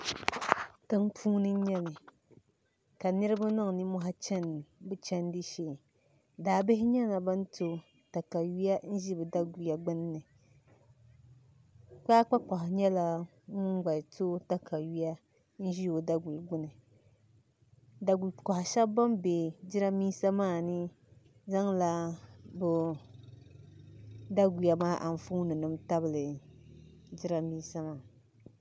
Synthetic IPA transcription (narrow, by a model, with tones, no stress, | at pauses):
tɨ˦ŋpʰuː˦nɨ˦ɲɛ˦nɨ˨ | ka˨nɨ˦ɾɨ˦ba˦nʊ˦ŋ˨nɨ˦mʊ˦ɦa˦t͡ʃɛ˦n˨bɨ˦t͡ʃɛ˦n˦dɨ˦ʃeː˨ | daː˨bɪ˦hɪ˦ɲɛ˦na˨ba˦n˦tʰo˦ | ta˨ka˨ɥi˦ja˦n̩˦ʒi˦bɨ˨da˦ɡu˨˦a˨ɡ͡bʊ˦nː˦ɨ˨ | k͡pa˦k͡pa˦k͡pa˨ɦʊ˨ɲɛ˦la˦ | ŋʊ˦ŋ˦ɡ͡ba˨to˦ta˦kʰa˨ɥi˦ja˦ | n̩˦ʒi˦jo˨da˦ɡu˨lɡ͡bʊ˦nɨ˨ | da˨ɡu˨lka˨hʊ˨ʃa˦bba˦mbe˨d͡ʒɪ˦ɾa˦miː˦sa˦maː˦˨nɨ˦ | za˦ŋla˦bʊ˦ | da˦ɡu˨ja˨maː˦ʔa˨ɱ˨fu˦nɨ˨nɨ˦mta˦bɨ˨lɨ˨ | d͡ʒɪ˦ɾa˦miː˦sa˦maː˦˨